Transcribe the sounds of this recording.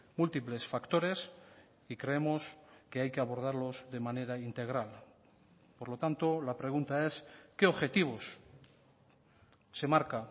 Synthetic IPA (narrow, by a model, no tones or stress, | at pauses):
mult̪iple̞sfakt̪o̞ɾe̞s | ikɾe̞emo̞ske̞ajke̞aβo̞ɾð̞aɾlo̞zðe̞mãne̞ɾaint̪e̞ɣ̞ɾal | poɾlo̞t̪ant̪olapɾe̞ɣ̞unt̪ae̞ske̞oβxe̞t̪iβ̞os | e̞maɾka